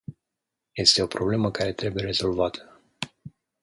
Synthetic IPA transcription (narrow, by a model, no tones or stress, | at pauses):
je̞st̪e̞o̞pɾo̞ble̞məkaɾe̞t̪ɾe̞buje̞ɾe̞zo̞lvat̪ʰə̥